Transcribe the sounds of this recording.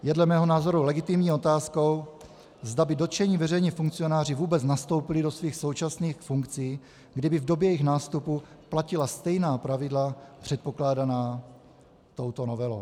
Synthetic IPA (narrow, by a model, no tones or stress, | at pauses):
jɛdlɛmɛːɦo̞naːzo̞ɾulɛɡɪt̪ɪmɲiːo̞t̪aːsko̞w | zdabɪdo̞t̪t͡ʃɛɲiːvɛrɛjɲɛfuŋkt͡sio̞naːr̝ɪvuːbɛt͡snast̪o̞wpɪlɪdo̞sviːxso̞wt͡ʃasniːxfuŋkt͡siː | ɡdɪbɪvdo̞bjɛjɛjɪxnaːst̪upu | placɪlast̪ɛjnaːpɾavɪdlapr̝̥ɛt̪̚po̞klaːdanaː | t̪o̞wt̪o̞no̞vɛlow